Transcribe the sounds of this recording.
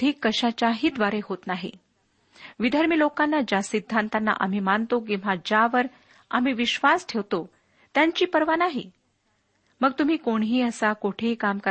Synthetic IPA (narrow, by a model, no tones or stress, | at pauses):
iːkːəɕat͡ɕaɦiːd̪ʋaɾeɦot̪naɦḭ | ʋid̪ʱəɾmilokanːad͡ʑasid̪ʱːant̪anːa̰ʔam̤iːmant̪ok̬ĩʋ̤ad͡ʑaʋəɾ | a̰m̤iːʋiɕʋasʈʰeʋt̪o | t̪jaɲt͡ɕiːpəɾʋanaɦḭ | məɡ̚t̪um̤iːkoɳɦiːəsakoʈʰekamkə